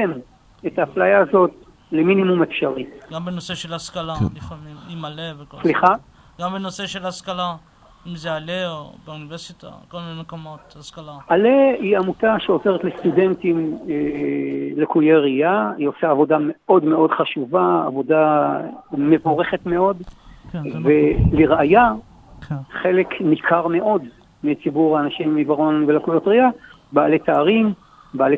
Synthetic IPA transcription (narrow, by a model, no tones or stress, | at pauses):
em | etaːflajaːzo̞t̚ | leminimumefʃaʁiɡambenoseʃelaskalalifamimimaleveksliχa | ɡambenoseʃelhaskala | imzealeobeuniveʁsita̰kolminenmekomot̪haskalaaleiamutaʃeo̞zeʁetlest̪ude̞ntime | lekujeʁiaiosaːvo̞dame̞o̞dme̞o̞dχaʃuvaa̰vo̞da | me̞vo̞ʁe̞χetme̞o̞d | veliʁaja | χe̞le̞knikʰaʁme̞ʔo̞d | mit͡sibuʁaːnaʃimːibaʁonvelakujo̞tʁia | baːle̞t̪aːʁim | baːle